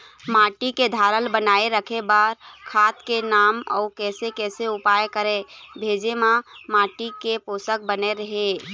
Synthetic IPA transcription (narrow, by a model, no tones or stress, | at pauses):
maʈiked̪ʱaɾəlbənaeɾəkʰebaɾkʰat̪kenaːmɔ̰ʊkɛsekɛseupajkəɾebʱed͡ʒemãmãʈikeposək̚bəneɾəɦe